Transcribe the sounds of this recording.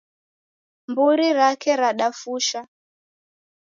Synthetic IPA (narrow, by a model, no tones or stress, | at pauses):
mbuɾiɾakʰɛɾaɗafuʃa